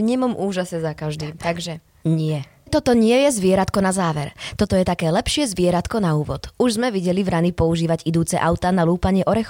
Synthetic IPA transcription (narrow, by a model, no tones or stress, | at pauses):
ɲɪɛmɔmʔuːʒasɛzakaʒd̪iːt̪aɡʒɛ | ɲɪɛ | t̪ɔt̪ɔɲɪɛjɛzʋɪɛɾat̪kɔnazaːʋɛɾt̪ɔt̪ɔjɛt̪akɛːlɛpʃɪɛzʋɪɛɾat̪kɔnauːʋɔd̪̥uʒzmɛʋiɟɛlivɾanipɔuʒiːʋaɟid̪uːt͡sɛʔaʊt̪aːnaluːpaɲɪɛʔɔɾɛx